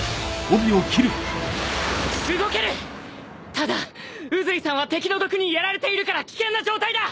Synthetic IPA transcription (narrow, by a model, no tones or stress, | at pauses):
obʲiokʲiɾɯ̟ | ɕɯɡo̞ke̞ɾɯ̟ | t̪ad̪a | ɯ̟zɨisãɰ̃βat̪e̞kʲino̞d̪o̞kɯ̟ɲ̟ijaɾaɾe̞t̪e̞iɾɯ̟kaɾakʲi̥kẽ̞nːad͡ʑo̞ːt̪aid̪a